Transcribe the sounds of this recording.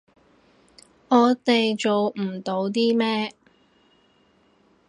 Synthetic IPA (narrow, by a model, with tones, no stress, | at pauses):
ɔː˨˧t̪e˨jt͡ʃo˨wm̩˨˩t̪o˨˧˥wt̪̬iː˥mɛː˥